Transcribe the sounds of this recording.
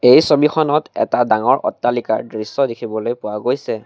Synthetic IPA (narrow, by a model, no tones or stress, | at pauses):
ejsobixʰɔnɔtɛ̰tadaŋɔɹʔɔ̰tːalika̰ɹdɹisɔdikʰibɔlojpʊwaɡojsɛ